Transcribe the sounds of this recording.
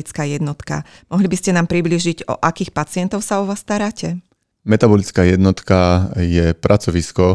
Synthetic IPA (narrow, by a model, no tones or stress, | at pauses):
it͡skaːjɛd̪nɔt̪ka̰ | mɔɦlibiscɛnaːmpɾibliːʒiɟɔ̰ʔakiːxpat͡sɪɛnt̪ɔʊsaɔʋaːst̪aɾaːcʰɛ | mɛt̪abɔlit͡skaːjɛd̪nɔt̪kajɛpɾʔat͡sɔʋiskɔ